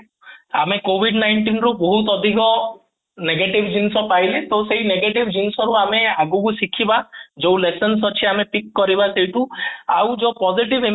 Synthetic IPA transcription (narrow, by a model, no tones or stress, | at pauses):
amekobʱiɖnajɳʈinɾubɔɦut̪ɔd̪ʱikɔ | neɡeʈibd͡ʒinsɔpajlet̪osejneɡeʈibd͡ʒinsɔɾuameaɡukusikʰibad͡ʒowlesɔnsɔt͡ʃʰiamepikːɔɾibasejʈ̪ũawd͡ʒɔpɔziʈibe